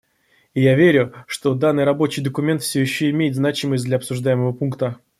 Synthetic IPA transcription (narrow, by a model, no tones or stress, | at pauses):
ɪjavʲeɾʲʊʂt̪o̞d̪anːɨjɾɐbo̞t͡ɕɪjd̪əkʊmʲe̞nt̪fsʲojɪɕːoɪmʲejɪt̪znat͡ɕɪməsʲd̪lʲɐpsʊʐd̪ajɪməvəpunkt̪ə